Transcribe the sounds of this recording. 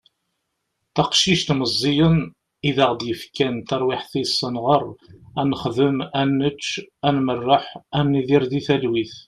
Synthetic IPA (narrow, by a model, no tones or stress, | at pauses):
θɑqʃiʃt̪məzˤːijən | iðæʁd̪jəfkænt̪ɑɾˤwɪħθisˤːənʁərˤænəχðəmænːət͡ʃːænmərˤːəħæmniðiɾðiθælwiθ